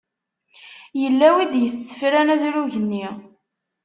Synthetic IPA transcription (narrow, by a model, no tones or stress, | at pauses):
jəlːæwid̪jəsə̥fɾænæðɾuʝənːi